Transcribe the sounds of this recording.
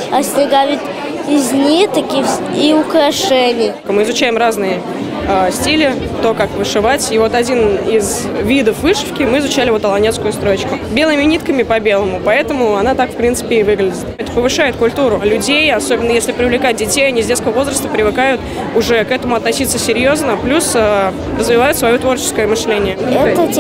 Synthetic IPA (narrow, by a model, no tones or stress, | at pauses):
ɐsʲnʲɪɡavʲit̪ | ɪzʲnʲit̪ɐkʲiiʊkɾɐʂɛnʲɪj | mɨɪzʊt͡ɕæjɪmraznɨjə | asʲtʲilʲɪ | t̪o̞kakvɨʂɨvatʲivo̞t̪ɐdʲinɪz | vʲid̪əfvɨʂɨ̥fkʲɪmɨɪzʊt͡ɕælʲɪvo̞t̪əlˠɐnʲeskʊjʊst̪ɾot͡ɕkʊbʲe̞lˠəɪmʲɪnʲit̪kəmʲɪpɐbʲe̞lˠəmʊpɐɛt̪əmʊɐnat̪akfpɾʲint̪sɨ̥pʲɪːvɨɡlʲɪdʲɪt̪ɛt̪ə̥pəvɨʂajʊt̪̚kʊlʲt̪uɾʊlʲʊdʲejɐso̞bʲɪnːəjesʲlʲɪpɾʲɪvlʲɪkat̚ʲdʲɪtʲejɐnʲizʲdʲet̪skəvəvo̞zɾəst̪əpɾʲɪvɨkajʊt̪ | ʊʐɛkɛt̪əmʊɐt̪nɐsʲit̪səsʲɪɾʲjo̞znəplʲusə | rəzvʲɪvajʊt̪svɐjot̪vo̞rt͡ɕɪ̥skəjəmɨʂlʲenʲɪjə